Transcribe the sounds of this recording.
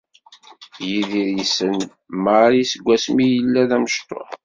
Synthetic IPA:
jiðiɾjisən | maɾisəɡʷːæsmijəlːæðæməʃt̪ˤo̰ħ

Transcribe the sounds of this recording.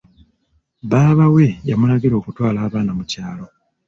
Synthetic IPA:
βaːβawe̞jamulaɡiɾo̞ːkutwaːlaːβaːnamucaːlo̞

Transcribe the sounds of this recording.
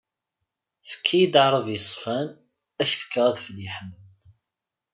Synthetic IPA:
fə̥kʰːijid̪ʕɾˤəvjəsˤːfæn | æçfə̥kːʁæðfəliħəm

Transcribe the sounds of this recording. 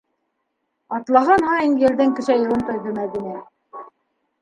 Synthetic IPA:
ɑt̪lˠɑɦɑnhɑjɤnjɘ̆lðɘŋkɘ̆ʃæjɤ̆w̪ɤnt̪ŏjðɵmæðinæ

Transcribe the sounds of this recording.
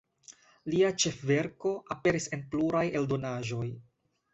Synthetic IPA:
liat͡ʃe̞fve̞ɾko̞ʔape̞ɾise̞npluɾaje̞ldo̞naʒo̞j

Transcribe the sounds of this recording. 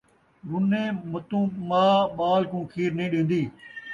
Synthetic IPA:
ɡʊnẽːmət̪ũːmaːɓaːlkũːkʰiːɾnẽːɗẽːnd̪iː

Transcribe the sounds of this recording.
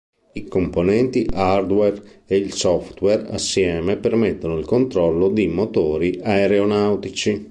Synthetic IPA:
ikomponɛnt̪iʔard̪wɛreilsɔft̪wɛra̰sːjɛːmepermɛt̪ːonoilkont̪ɾɔlːod̪imot̪oːɾiʔaeɾeonawt̪it͡ʃi

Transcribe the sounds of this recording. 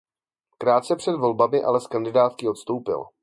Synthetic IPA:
kɾaːt̪̚t͡sɛpr̝̥ɛd̪vo̞lbamɪʔa̰lɛskandɪdaːt̪kɪo̞t̪st̪owpɪ̰l

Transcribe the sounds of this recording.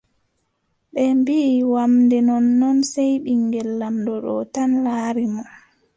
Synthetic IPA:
ɓɛmbiːwamndɛnɔnːɔnsajɓiŋɡɛlːamdɔɗɔ̰tanlaːɾimɔ

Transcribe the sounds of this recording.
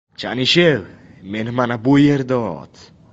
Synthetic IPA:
t͡ʃa̰ʔniʃel | menmanabujeɾd̪ɔt̪

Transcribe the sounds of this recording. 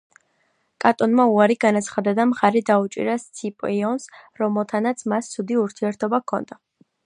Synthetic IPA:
kʼat̪ʼɔnmauaɾiɡanat̪sʰχad̪ad̪amχaɾid̪aut͡ʃʼḭɾast̪sʰipʼiɔnsɾɔmɛlˠt̪ʰanat̪sʰmast̪sʰud̪iuɾt̪ʰiɛɾt̪ʰɔbakʰɔ̰nd̪̥a

